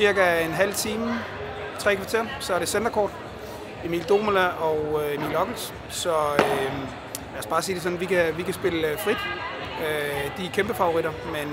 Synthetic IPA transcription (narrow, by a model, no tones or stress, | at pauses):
siɐɡ̥æenɦæl̰t͡sʰiːm | t͡sʰʁɛ̰ːkʰʋɑ̈t͡sʰe̝ɐsɒ̽æɐɾ̥e̝send̥ɐkʰɒ̰ːd̥ | e̝mḭːld̥o̝ːmælæʔɒʊøe̝mḭːlɒɡ̥l̩s | sɒ̽ø | læsb̥ɑ̈ːsiːd̥e̝sɒ̽nʋikʰæʋikʰæsb̥e̝ləfʁid̥ | ød̥ikʰemb̥əfɑ̈ʊoʁiɾ̥ɐmen